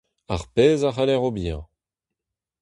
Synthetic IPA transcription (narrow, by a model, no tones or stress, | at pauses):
aʁpɛːzaχalɛʁobjɛ̰̃